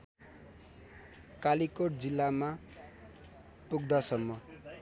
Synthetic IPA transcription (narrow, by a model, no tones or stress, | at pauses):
kalikoʈ̚d͡zilːama | puɡ̚d̪asʌmːʌ